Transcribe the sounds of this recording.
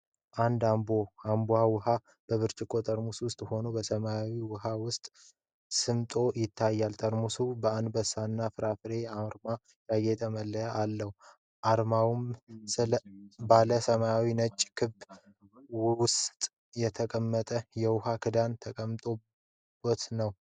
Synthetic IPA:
ʔand̪amboambuawʊɦa | b̥əβɨɾt͡ʃʼɪkʰʼːo̞t̪ʼəɾmuswʊst̪ʼho̞nubəsəmajawiwʊɦawʊst̪ʼ | sɨmt̪ʼo̞jɪt̪ʰːajːalt̪ʼəɾmusubəand̪bəsːanːafɨɾafɨɾe̞aɾma | jaɡe̞t̪ʰəməlːəjaʔalːəhu | ʔaɾmawumsɨbaləsəmajawinət͡ʃʼːkʰɨb | wwʊst̪ʼ | jɛt̪ʰəkʼəmːət̪ʼəjɛwʊhakʰɨd̪ant̪ʰəkʼəmt̪ʼo | bot̪nəw

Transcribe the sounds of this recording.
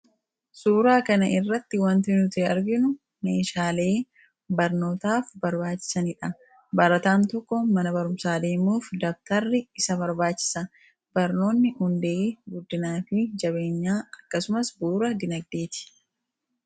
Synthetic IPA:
suːɾaːkɐnɐʔɪrːɐt̪ːɪwɐnt̪ɪnut̪eːɐɾɡɪnʊ | meːʃaːle̞ː | bɐɾno̞ːt̪aːfbɐɾbaːt͡ʃːɪ̥sɐnɪᶑɐ | bɐɾɐt̪aːnt̪ɔkːɔmɐnɐbɐɾʊmsaːd̪e̞ːmuːfd̪ɐk̚t̪ɐrːɪɪsɐbɐɾbaːt͡ʃːɪ̥sɐ | b̥ɐɾno̞ːnːɪhʊnd̪e̞ːɡʊd̪ːɪnaːfɪd͡ʒɐβe̞ːɲːaːɐkːɐsʊmɐsbuːɾɐd̪ɪnɐɡ̚d̪e̞ːt̪ɪ̥

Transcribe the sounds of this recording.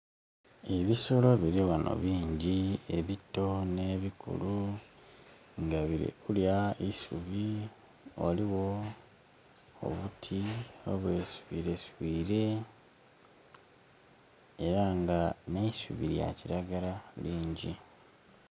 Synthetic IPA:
eβisolo̞βiɾiwano̰βiːɲɟieβitːo̞ne̞ːβikṵlu | ŋɡaβiɾḭkuljaisṵβi | oliwo̞ | o̰βutʰioβwe̞suβiɾe̞suβiːɾe̞ | eɾaŋɡaneisṵβiɾja̰ciɾaɡalaliːɲɟi

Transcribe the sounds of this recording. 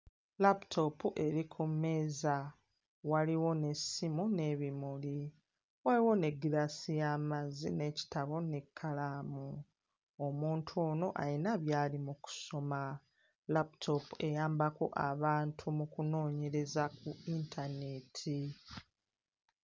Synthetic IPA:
laptʰo̞puʔe̞ɾikʰumːe̞ːza | waliwo̞ne̞simune̞βimuli | waliwo̞ne̞ɡiɾasijaːmazine̞ci̥taβo̞ne̞kʰːalamu | omuːntʰo̞ːno̞ʔa̰inaβjaːlimuku̥so̞ma | laptʰo̞pue̞jaːmbako̞̰ʔaβaːntʰumukuno̞ːɲe̞ɾe̞zak̚uintʰane̞tʰi

